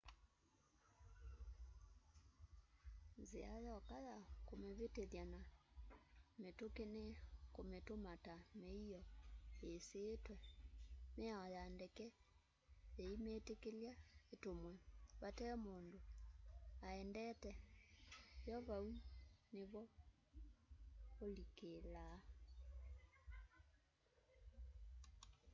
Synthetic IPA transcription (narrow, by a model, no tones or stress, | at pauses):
nzeajɔkaðakomeβeteðjana | metokenekometomatameiɔeseːtwɛ | meaɔjandɛkɛ | eimetekeljaetomwɛβatɛɔmoːndo | aɛndɛtɛ | jɔβauneβɔ | olikela